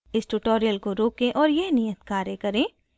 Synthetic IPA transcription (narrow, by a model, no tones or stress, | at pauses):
ɪsʈuʈoːɾijəlkoɾoːkẽʔɔːɾjenijət̪kaːɾjəkɐɾẽː